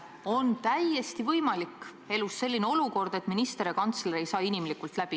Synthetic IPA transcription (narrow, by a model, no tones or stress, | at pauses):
o̞nt̪æje̞st̪ivɤjmɑlikː | e̞lusːe̞lːineo̞luko̞rd̪̥e̞t̪minist̪e̞ɾekɑnt̪sleɾejsɑːinimlikult̪læb̥i